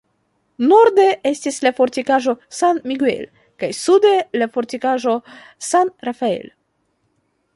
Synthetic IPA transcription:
noɾde̞e̞stislafo̞ɾtikaʒosanmiɡuḛl | kajsude̞lafo̞ɾtikaʒo̞ | sanɾafae̞̰l

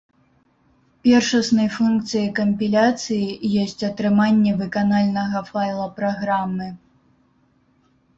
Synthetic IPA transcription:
pʲɛrʂɐsnɐjfunkt̪sɨjɐkɐmʲpʲilʲat̪sɨjijɔsʲt͡sʲɐt̪ɾɨmanʲːɛvɨkanalʲnɐɣɐfajlˠɐpɾaɣɾamːɨ

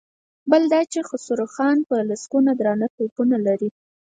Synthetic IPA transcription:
bəld̪ɑt͡ʃexʊsuɾaxɑnpəlaskunad̪ɾɑnat̪opunalaɾi

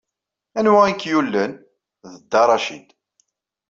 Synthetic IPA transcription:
ænwæikːjulːən | ðəd̪ːɑɾˤɑʃid̪

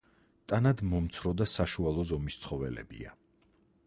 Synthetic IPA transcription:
t̪ʼanad̪mɔmt̪sʰɾɔd̪asaʃualˠɔzɔmist̪sʰχɔvɛ̰lɛ̰bḭa̰

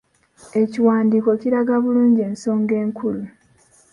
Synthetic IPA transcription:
e̞ciwaːndiːko̞ciɾaɡaβuluːɲɟie̞ːnso̞ːŋɡe̞ːŋkʰulu

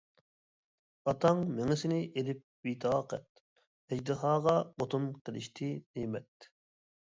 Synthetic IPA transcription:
ɑt̪ʰɑŋmeŋɪsɪnɪʔelɪp̚wit̪ʰɑːqɛ̰t̪̚ | ɛd͡ʒd̪ɨɦɑːʁɑbot̪ʰumqʰəlˠɪ̰ʃt̪ʰɪnejmɛt̪

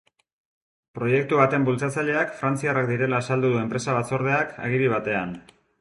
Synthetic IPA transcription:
pɾo̞je̞k̚t̪uβat̪e̞mbult͡sat͡saʎe̞akfɾant͡siarakd̪iɾe̞laːsald̪uðue̞mpɾe̞saβat͡so̞ɾð̞e̞akʰa̰ɣ̞iɾiβ̞at̪e̞an

